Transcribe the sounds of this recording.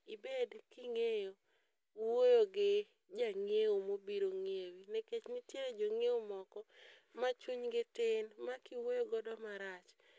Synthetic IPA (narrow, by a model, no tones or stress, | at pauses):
ibedkiŋejo | wojoɡɪ | d͡ʒaŋeomobiɾoŋewinɛket͡ʃnɪtjeɾed͡ʒoŋeomɔkɔmat͡ʃuɲɡɪtɪnmakiwojoɡɔdɔmaɾat͡ʃ